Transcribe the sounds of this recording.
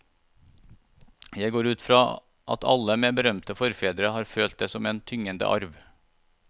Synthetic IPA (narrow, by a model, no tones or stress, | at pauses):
jæɪɡoːɾʉːt̪fɾɑː | ʔɑ̰t̪ʰɑ̰ləmeːbəɾœmt̪əfɔɾfeːd̪ɾəhɑːɾføːlt̪̚d̪eːsɔmeːnt̪ʰʏŋənd̪ə̰ʔɑ̰ɾʋ